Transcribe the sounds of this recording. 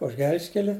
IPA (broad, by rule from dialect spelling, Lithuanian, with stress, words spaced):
ʊʃ ˈɡʲɛlʲʃʲkʲɛlʲɪ